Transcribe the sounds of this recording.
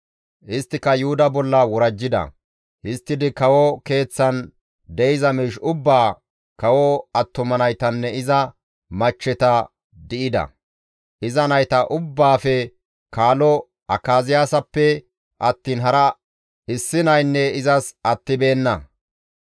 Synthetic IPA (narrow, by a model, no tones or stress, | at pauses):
ʔɪst̪ːɪkɐjʊhʊd̪ɐbɔlːɐwɔɾɐd͡ʒːɪd̪ɐ̰ | hɪst̪ːɪd̪ɪkɐwɔke̞ːt͡sːɐn | d̪ɛjɪzɐmɪʃʊbːaː | kɐwɔɐt̪ːʊmɐnɐjt̪ɐnːɛɪzɐ | mɐt͡ʃːɛt̪ɐ | d̪ɪʔɪd̪ɐ̰ | ʔɪzɐnɐjt̪ɐʔʊbːaːfɛ | kaːlɔ | ʔɐkːaːzɪjaːsɐpːɛ | ʔɐt̪ːiːnɦɐɾɐ | ɪsːɪnɐjnːɛɪzɐsɐt̪ːɪbe̞ːnːɐ